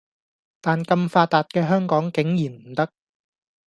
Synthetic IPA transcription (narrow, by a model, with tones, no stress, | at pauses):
t̪aː˨nkɐ˧mfaː˧t̪ːaː˨t̚kɛː˧ɦœː˥ŋkɔː˨˥ŋkɪ˨˥ŋjiː˨˩nm̩˨˩t̪ɐ˥k̚